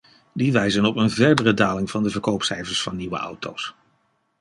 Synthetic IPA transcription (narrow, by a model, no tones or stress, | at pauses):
diʋɛjzənɔpənvɛɹdərədaːlɪŋv̥ɑndəvəɹkowpsɛjvəɹsfɑnːiʋə̰ʔɑ̰wto̰ws